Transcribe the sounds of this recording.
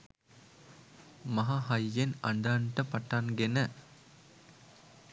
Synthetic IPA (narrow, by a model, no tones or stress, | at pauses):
mɐɦaːɦɐjːenɐɳɖ̪aːɳʈɐpɐʈːanɡenɐ